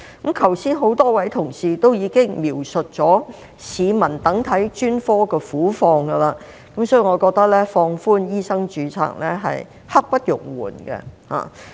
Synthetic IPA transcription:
kɐ˨˥mkʰɐ˨˩wsiː˥nɦo˨˥wt̪ɔː˥wɐ˨˥jt̪ʰʊ˨˩ŋsiː˨t̪o˥wjiː˨˧kɪ˥ŋmiː˨˩wsɵ˨t̚t͡ʃɔː˨˥ | siː˨˧mɐ˨˩nt̪ɐ˨˥ŋt̪ʰɐ˨˥jt͡ʃyː˥nfɔː˥kɛː˧fuː˨˥fɔː˧ŋɡɐ˧laː˧ | kɐ˨˥msɔː˨˥ji˨˧ŋɔ˨˧kɔː˧k̚t̪ɐ˥k̚lɛː˥fɔː˧ŋfuː˥njiː˥sɐ˥ŋt͡ʃyː˨˧t͡sʰa̰ː˨˩k̚lɛ˥ɦɐ̰˨j | hɐ˥k̚pɐ˥t̚jʊ̰˨˩ŋwṵː˨˩nɡɛ̰˧ha̰ː˨˩

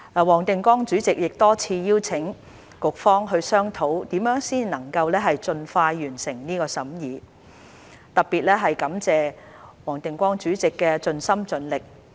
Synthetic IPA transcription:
aː˨˩wɔː˨˩ŋt̪ɪ˨ŋkʷɔː˥ŋt͡ʃyː˨˥t͡sɪ˨k̚jɪ˨k̚t̪ɔː˥t͡sʰiː˧jiː˥wt͡sʰɪ˨˥ŋ | kʊ˨k̚fɔː˥ŋɦɵ˧ɥsœː˥ŋt̪ʰo˨˥wt̪iː˨˥mjœː˨˥ŋsiː˥nnɐ˨˩ŋkɐ˧wlɛː˥ɦɐ˨jt͡ʃɵ˧nfaː˧jːyː˨˩nsɪ˨˩ŋniː˥kɔː˧sɐ˨˥mjiː˨˧ | t̪ɐ˨˩k̚piː˨˩t̚lɛː˥ɦɐ˨jkɐ˨˥mt͡sɛː˨˩wɔː˨˩ŋt̪ɪ˨ŋkʷɔː˥ŋt͡ʃyː˨˥t͡sɪ˨kːɛː˧t͡ʃɵ˧nsɐ˥mt͡ʃɵ˨˥nlɪ˨k̚

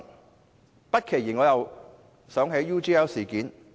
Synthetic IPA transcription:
pɐ˥t̚kʰe˨˩jiː˨˩nŋɔː˨˧jɐ˨w | sœː˨˥ŋɦe˨˥jːuː˥t͡ʃiː˥ɛː˥wsiː˨˩kiː˨˥n

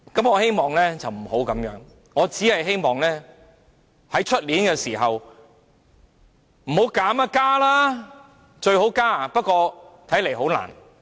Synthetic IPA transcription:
kɐ˨˥mɔː˨˧he˥jmɔː˨ŋlɛː˥t͡sɐ˨wm̩˨˩ho˨˥wkɐ˨˥mjœː˨˧˥ŋ | ŋɔː˨˧t͡siː˨˥hɐ˨jɦe˥jmɔː˨ŋlɛː˥ | hɐ˨˥jt͡ʃʰɵ˥t̚liː˨˥nkɛː˧siː˨˩ɦɐ˨w | m̩˨˩ho˨˥wkaː˨˥ma˧kaː˥laː˥ | t͡ʃɵ˧ɥho˨˥wkaː˥pɐ˥t̚kʷɔː˧t̪ʰɐ˨˥jle˨˩jɦo˨˥wla̰ː˨˩n

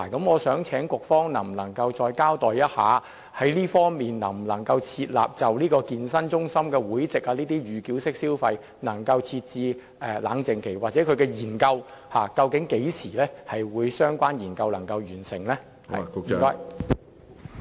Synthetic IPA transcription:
kɐ˨˦˥mŋɔː˨˧sœː˨˥ŋt͡sʰɛː˨˥ŋkʷʊ˨k̚fɔː˥ŋnɐ˨˩m̩˨nɐ˨˩ŋkɐ˧wt͡sɔː˧jkaː˥wt̪ɔː˨˩jjɐ˥t̚ha̰ː˨˧ | hɐ˨˥jliː˥fɔː˥ŋmiː˨nnɐ˨˩m̩˨˩lɐ˨˩ŋkɐ˧wt͡sʰiː˧t̚la̰ː˨p̚t͡sɐ˨wliː˥kɔː˧kiː˧nsɐ˥nt͡ʃʊ˥ŋsɐ˥mkɛː˧wuː˨˥jt͡sɪ˨k̚aː˧liː˥t̪iː˥jyː˨kiː˨˥wsɪ˥k̚siː˥wfɐ˧j | nɐ˨˩ŋkɐ˧wt͡sʰiː˧t̚t͡siː˧ | ɛ˨˧la̰ː˨˥ŋt͡sɪ˨ŋkʰe˨˩jwaː˨˩t͡sɛː˨˥kʰɵ˨˧ɥkɛː˧jiː˨˩nkɐ˧whaː˨˩kɐ˧wkɪ˨˥ŋke˨˥jsiː˨˩lɛː˥hɐ˨jwuː˨˧jsœː˥ŋkʷaː˥njiː˨˩nkɐ˧wlɐ˨˩ŋkɐ˧wjyː˨˩nsɪ̰˨˩ŋlɛ̰ː˥˨˥ | kɔː˥j

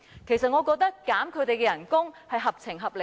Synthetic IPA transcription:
kʰe˨˩jsɐ˨t̚ŋɔ˨˧kɔː˧k̚t̪ɐ˥kːaː˨˥mkʰɵ˨˧ɥt̪e˨jkɛː˧jɐ˨˩nkʊ˥ŋhɐ˨jɦɐ˨p̚t͡sʰɪ˨˩ŋɦɐ˨p̚lɪ˨

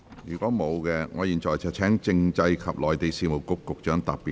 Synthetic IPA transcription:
jyː˨˩kɔː˨˥mo˨˧wkɛ˧ŋɔː˨˧jiː˨˩nt͡ʃɔː˨˩jt͡sʰɐ˨˩t͡ʃʰɛː˨˥ŋt͡sɪ˧ŋt͡sɐ˧jkʰɐ˨p̚lɔː˨˩jt̪e˨˧jsiː˨˧mo˨˩wkʊ˨kːʊ˨k̚t͡ʃœː˨˥ŋt̪ɐ˨piː˨˩

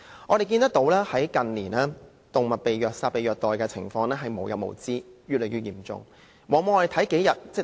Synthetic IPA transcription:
ŋɔː˨˧ɾe˨jkiː˧nt̪ɐ˥kt̪o˨˧˥wlɛː˥hɐ˨˥jkɐ˨nliː˨˩naː˥ | t̪o˨˩ŋmɐ˨t̚pe˨jjœː˨k̚saː˧t̚pe˨jœː˨k̚t̪ɔː˨jkɛː˧t͡sʰɪ̰˨˩ŋfɔː˧ŋlɛː˥ɦɐ˨jmo˨wjɐ̰˨t̚mo̰˨˩wt͡siː˥jɥyː˨t̚le˨˩jɥyː˧˩jiː˨˩mt͡sʊ̰˨˩ŋ | wɔː˨˧mo˨˧ŋɔː˨˧ɾe˨˩t̪ʰɐ˨˥jke˨˥jɐ˨t̚t͡sɛ˥˩

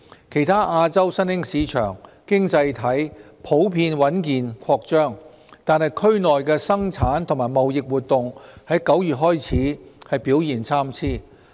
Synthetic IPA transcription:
kʰe˨˩jt̪ʰaː˥ʔaː˧t͡sɐ˥wsɐ˥nhɪ˥ŋsiː˨˧t͡ʃʰœ̰ː˨˩ŋkɪ˥ŋt͡sɐ˧jt̪ʰɐ˨˥j | pʰo˨˥wpʰiː˧nwɐ˨˥nkiː˨nkʰɔː˧k̚t͡ʃœː˥ŋ | t̪aː˨nhɐ˨jkʰɵ˥ɥnɔː˨jkɛː˧sɐ˥ŋt͡sʰaː˨˥nt̪ʰʊ˨˩ŋmaː˨˩jmɐ˨wjɪ˨k̚wuː˨t̪̚ʊ˨ŋhɐ˨˥jkɐ˨˥wjyː˨t̚ɦɔː˥jt͡sʰiː˨˥hɐ˨jpiː˨˥wjiː˨nt͡sʰaː˥mt͡sʰiː˥˩

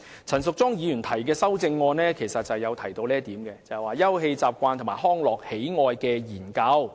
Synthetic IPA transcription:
t͡sʰɐ˨˩nsʊ˨k̚t͡sɔː˥ŋjiː˨˧jy˨˩nt̪ʰɐ˨˩jkɛː˧sɐ˥wt͡sɪ˧ŋːɔː˧nlɛː˥kʰe˨˩jsɐ˨t̚t͡sɐ˨jɐ˨˧wt̪ʰɐ˨˩jt̪o˧wlɛː˥t̪iː˨˥mkɛ˧t͡sɐ˨ɛ˨˩waː˨˩jɐ˥wɦe˧jt͡saː˨p̚kʷaː˧nt̪ʰo˨˩maː˨˩hɔː˥ŋlɔː˨k̚he˨˥jŋɔː˨jkɛː˧jiː˨˩nkɐ˧w

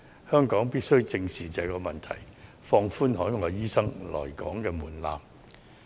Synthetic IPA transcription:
hœː˥ŋkɔː˨˥ŋpiː˥t̚sɵ˥ɥt͡sɪ˧ŋsiː˨t͡sɛː˨˧kɔː˧mɐ˨nt̪ʰɐ̰˨˩j | fɔː˧ŋfuː˥nhɔː˨˥jŋɔː˨˧jiː˥sɐ˥ŋlɔ̰ː˨˩jkɔː˨˥ŋkɛː˧muː˨˩nla̰ː˨m

